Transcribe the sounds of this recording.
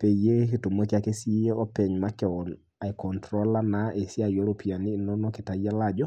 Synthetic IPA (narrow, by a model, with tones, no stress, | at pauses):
pe˨je˦ki˨to˨mo˦ki˦a˦ke˦si˦je˦o˦pɛ˨ɲma˦kɛ˨ɔ˨n | a˨i˨kɔ˨ntɾo˦la˦naʔe˨si˦a˨jo˦ɾo˦pi˨a˨niː˦˨no˦no˦ki˨ta˨ja˦la˨d͡ʒɔ˦